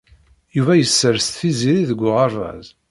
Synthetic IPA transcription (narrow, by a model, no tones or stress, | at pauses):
juvæjəsːəɾst̪θiziɾiðəɡʷːʊʁɑɾvæ̰z